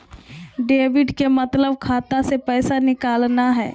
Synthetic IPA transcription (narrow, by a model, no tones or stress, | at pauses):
ɖeːʋɪɖkemət̪ləb̚kʰaːt̪asepɛːsanɪkaːlnaɦɛː